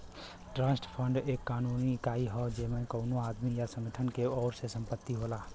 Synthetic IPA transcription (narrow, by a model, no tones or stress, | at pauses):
ʈɾãːsʈpʰəɳɖeːkːaːnunikaiɦɔd͡ʒeːmẽnkəʊnoad̪mijasə̃mɡeʈʰənkeɔːɾsesə̃mpət̪ːiɦolaː